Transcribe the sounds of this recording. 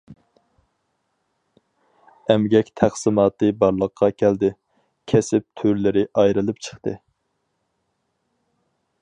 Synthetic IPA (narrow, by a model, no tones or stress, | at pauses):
ɛmɡʲɛkʲt̪ʰæχsɨmɑːt̪ɨbɑɾlˠəqʰːɑkʲʰæld̪ɪ | kʲʰɛsɪp̚t̪ʰøɾlɪɾɪʔɑjɾɨlˠɨpt͡ʃʰə̥χt̪ɨ̰